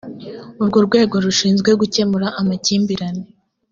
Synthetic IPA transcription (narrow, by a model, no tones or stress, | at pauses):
uɾɡoɾɡwe̞ːɡo̞ɾuʃiːnzɡwe̞ɡuce̞muɾaʔamaciːmbiɾane